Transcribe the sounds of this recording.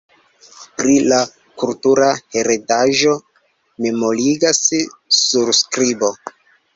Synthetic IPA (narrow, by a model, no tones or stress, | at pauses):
pɾila | kultuɾahe̞ɾedaʒo̞ | me̞mo̞liɡassuɾskɾibo̞